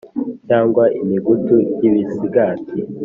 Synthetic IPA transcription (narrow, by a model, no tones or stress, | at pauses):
caːŋɡwaʔimiɡutujiβisiɡati